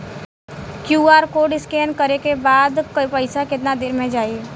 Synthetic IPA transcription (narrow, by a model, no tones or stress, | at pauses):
kjuːaːɾkoːɖɪskɛːnkəɾekebaːd̪kəpəɪsakɪt̪nad̪ɪːɾmẽd͡ʒaːiː